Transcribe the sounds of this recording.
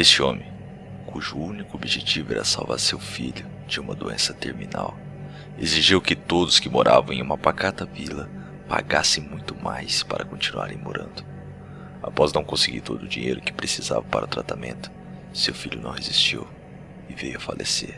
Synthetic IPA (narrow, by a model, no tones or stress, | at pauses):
est͡ʃɪõmẽ | kuʒʊunikʊobiʒet͡ʃivʊɛ̰ɾɐsawva̰ɾsewfiʎʊ | d͡ʒɪũmɐd̪oḛ̃sɐt̪eɾmĩnaw | eziʒiwkɪt̪od̪ʊskɪmoɾʔavɐ̃w̃ẽũmɐpakat̪ɐvilɐ | paɡasẽj̃mũj̃t̪ʊmajspaɾʔɐkõnt͡ʃinua̰ɾẽj̃moɾɐ̃nd̪ʊ | apɔznɐ̃w̃kõsɪɡiɾt̪od̪ʊd͡ʒiɲejɾʊkɪ̥pɾesiza̰vɐpaɾʔɐʊt̪ɾat̪amḛ̃nt̪ʊ̥ | sewfiʎʊnɐ̰̃w̃ɦezist͡ʃiw | ɪvejʊɐfalʔeseɾ